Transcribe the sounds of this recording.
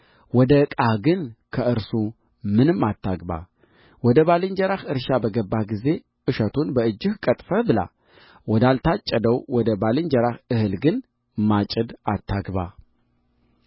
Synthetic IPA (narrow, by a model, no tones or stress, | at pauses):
wɔd̪əkʼahɡɨnkʰəʔɨɾsu | mɨnɨmːat̪ʰːaɡba̰ | wɔd̪əβalɨɲd͡ʒəɾahɨɾʃabəɡəbːaɡize̞ | ʔɨʃət̪ʰunbəɨd͡ʒːɨhkʼət̪ʼfəbɨla̰ | wɔd̪alt̪ʰat͡ʃʼːəd̪əwwɔd̪əbalɨɲd͡ʒəɾahɨhɨlɡɨn | mat͡ʃʼɨd̪at̪ʰːaɡba̰